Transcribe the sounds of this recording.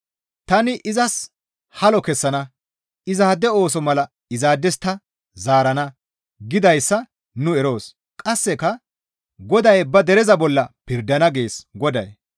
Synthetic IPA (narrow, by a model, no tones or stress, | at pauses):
t̪ɐnɪʔɪzɐs | hɐlɔkɛsːɐnɐ | ɪzaːd̪ɛo̞ːsɔmɐlɐ | ɪzaːd̪ɛst̪ːɐ | zaːɾɐnɐ | ɡɪd̪ɐjsːɐ | nʊɛɾo̞ːs | kʼɐsːɛkɐ | ɡɔd̪ɐjbɐd̪ɛɾɛzɐbɔlːɐpɪɾd̪ɐnɐɡe̞ːsɡɔd̪ɐj